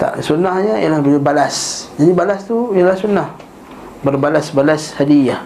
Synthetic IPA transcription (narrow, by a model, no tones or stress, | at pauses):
t̪a̰ʔsunahɲaḭalahbəlibalasd͡ʒadibalast̪ujalahsunah | bərbalasbalashadijah